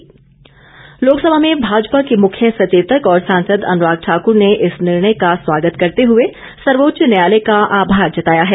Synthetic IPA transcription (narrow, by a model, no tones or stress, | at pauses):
loːksɐbʱamẽbʱaːd͡ʒpakemʊkʰjəsɐt͡ʃeːt̪əkɔːɾsãːnsəd̪ɐ̰̃nɾaːɡ̚ʈʰaːkʊɾneʔɪsnɪɾɳəjkasʋaːɡət̪kɐɾt̪eɦʊe | sɐɾʋoːtʃnɐjaːlekaʔaːbʱaːɾd͡ʒɐt̪aːjaɦɛː